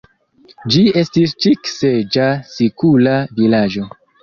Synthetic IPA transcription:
d͡ʒie̞stist͡ʃiksed͡ʒasikulavilad͡ʒo̞

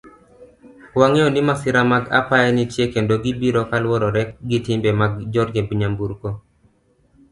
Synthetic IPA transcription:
kwaŋeɔnɪmasɪɾamaɡa̰pajɛnitjekendoɡibiɾokalwɔɾɔɾɛk̚ɡɪtɪmbɛmaɡd͡ʒɔdɡebiɲambuɾko

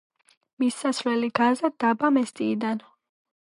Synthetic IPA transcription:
misːasvlɛliɡazad̪abamɛst̪ʼiːd̪an

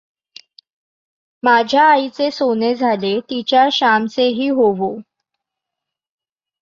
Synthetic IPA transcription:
mad͡ʑʱjaːit͡sesoned͡zʱalet̪it͡ɕjaɕamt͡seɦiːɦoʋo

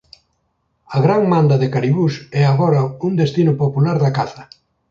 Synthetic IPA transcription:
ɐɣɾaŋmãnd̪ɐðɪkaɾiβusɛaɣɔɾɐund̪est̪inʊpopulaɾðɐkaθɐ

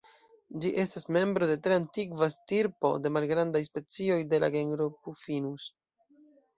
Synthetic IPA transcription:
d͡ʒiʔe̞stasme̞mbɾo̞de̞tɾe̞antiɡvastiɾpo̞̰de̞malɡɾandajspe̞t͡sio̞jde̞la̰ɡeŋɡɾopufinus

